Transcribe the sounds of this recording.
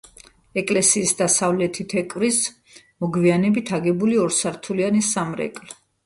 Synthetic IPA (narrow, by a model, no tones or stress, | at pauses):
ɛkʼlɛsiːsd̪asavlɛt̪ʰit̪ʰɛkʼvɾis | mɔɡvianɛbit̪ʰaɡɛbuliɔɾsaɾt̪ʰulianisamɾɛ̰kʼl